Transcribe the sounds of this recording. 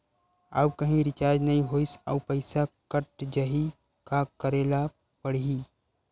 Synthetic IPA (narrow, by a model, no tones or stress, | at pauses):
a̰ːbkɐɦĩɾɪt͡ʃaːɾd͡ʒnɐĩɦoːisa̰pəɪsakəʈd͡ʒaɦi | kakəɾeːla | pəɽi